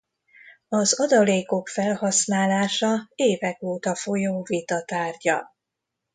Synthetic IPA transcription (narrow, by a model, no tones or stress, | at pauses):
ɒzɒd̪ɒleːko̞kfɛlhɒsnaːlaːʃɒeːvɛkoːt̪ɒfo̞joːvit̪ɒt̪aːrɟɒ̰